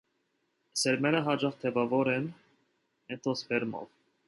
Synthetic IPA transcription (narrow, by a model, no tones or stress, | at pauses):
sɛɾmɛɾəɦɑd͡ʒɑχt̪ʰɛvɑvɔɾɛn | ɛt̪ʰɔspɛɾmɔ̰v